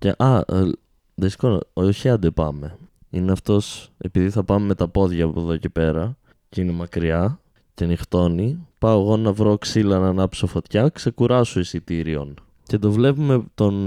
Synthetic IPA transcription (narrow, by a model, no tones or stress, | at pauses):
cḛʔɐ | ðesi̥kono̰oçiɐnd̪epɐ̰me̞ | ineɐft̪o̞se̞̰piðiθɐpɐmeme̞t̪ɐpo̞ðʝɐːpoðo̞ce̞pe̞ɾɐ | ceine̞mɐkɾiɐ | cenixt̪o̞nipɐoɣo̞nɐvɾo̞ksilɐnɐnɐpsofo̞t̪çɐkse̞kuɾɐsoisit̪iɾio̞n | ce̞t̪d̪o̞vle̞pume̞t̪o̞n